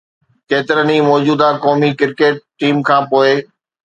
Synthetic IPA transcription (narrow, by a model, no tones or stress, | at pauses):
keːt̪ɪɾənimɔːd͡ʑuːd̪akɔːmikɪɾkeːʈ̚ːiːmkʰãːpoːe